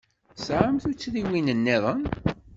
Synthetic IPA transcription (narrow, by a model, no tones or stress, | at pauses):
sʕəmθut͡sːðiwinənːeðˤən